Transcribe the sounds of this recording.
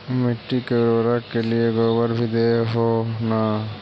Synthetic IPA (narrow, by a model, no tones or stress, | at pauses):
miʈːikeɾɾakːelieɡɔbəɾbʱid̪eeɦona